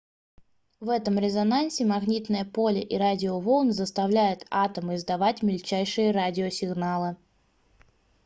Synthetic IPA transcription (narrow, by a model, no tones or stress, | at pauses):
vɛt̪əmɾʲɪzɐnansʲɪmɐɣnʲit̪nəjəpolʲɪʔiɾadʲɪovolˠnzəst̪ɐvlʲæjʊt̪at̪əmɨɪzd̪ɐvatʲmʲɪlʲt͡ɕæjʂɨjəɾadʲɪosʲɪɡnalˠɨ